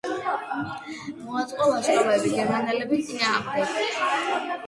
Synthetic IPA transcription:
mɔat̪sʼqʼɔvaʃqʼavɛbiɡɛɾmanɛlɛbit̪sʼinaːχlɛs

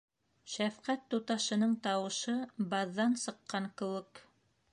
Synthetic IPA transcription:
ʃæfqæt̪ːut̪ɑʃɤ̆nɤɴt̪ɑwɤ̆ʃɤbɑðːɑnsɤ̆qːɑɴkɘ̆wɘk

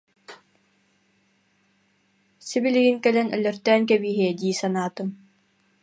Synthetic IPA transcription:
sibiliɡiŋkɛlɛnœ̰lœɾt̪ɛːŋk̬ɛbiːɦiɛd̪iːsanaːt̪ɯ

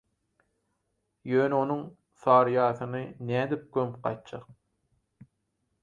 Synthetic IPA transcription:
jøːnɛo̞nuŋ | θɑːɾjɑːθɯnɯnæːd̪ip̚kømp̚qɑ̰jt̪̚d͡ʒɑq̚

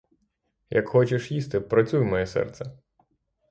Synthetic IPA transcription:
jɐkxɔt͡ʃeʃjist̪ɪpɾɐt͡sʲujmɔjɛsɛ̰rt̪sɛ

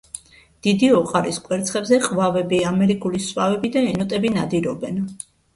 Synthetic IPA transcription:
d̪̥id̪iɔqʼaɾiskʼwɛɾt̪sʰχɛbzɛχʼvavɛbiamɛɾikʼuliswavɛbid̪aɛnɔt̪ʼɛbinad̪iɾɔbɛn

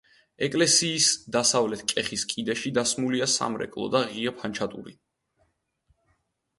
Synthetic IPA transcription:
ɛkʼlɛsiːsd̪asavlɛt̪ʰkʼɛχiskʼid̪ɛʃid̪asmuliasa̰mɾɛ̰kʼlˠɔ̰d̪aʁiapʰant͡ʃʰat̪ʼṵɾḭ

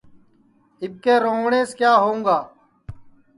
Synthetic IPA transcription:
ɪb̚keːɾoːŋɳeːskjaːɦoũːɡaː

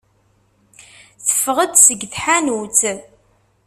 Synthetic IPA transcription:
θə̥fəʁəd̪səɡθħanut͡s

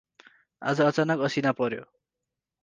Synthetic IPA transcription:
a̰d͡zʌʌt͡sanʌkʌsinapʌɾjo̰

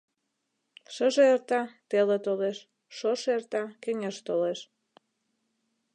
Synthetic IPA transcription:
ʃəʒeert̪ɑt̪elet̪oleʃ | ʃoʃert̪ɑkeŋeʃt̪oleʃ

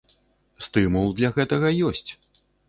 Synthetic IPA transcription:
st̪ɨmulˠd̪lʲɐɣɛt̪ɐɣɐjɔsʲt͡sʲ

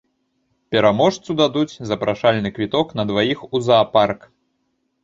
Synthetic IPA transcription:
pʲɛɾamɔʂt̪sud̪ad̪ut͡sʲzɐpɾʔaʂalʲnɨkvʲit̪ɔknɐd̪vajixuzɐːpark

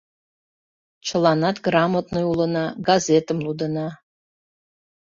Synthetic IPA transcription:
t͡ʃʰə̆lˠɑnɑt̪ɡrɑmət̪nɤulə̆nɑɡazet̪əmlˠud̪ənɑ

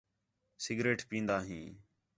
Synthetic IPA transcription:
sɪɡɾeːʈpĩːnd̪aːɦĩː

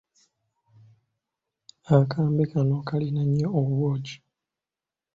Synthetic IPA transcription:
akaːmbekanokalinaɲːeoββwoːd͡ʒi̥

